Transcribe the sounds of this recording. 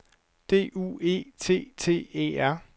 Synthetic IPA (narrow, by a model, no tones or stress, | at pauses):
d̥e̝̰ːṵe̝̰ːt͡sʰe̝̰ːt͡sʰe̝̰ːḛːæɐ̰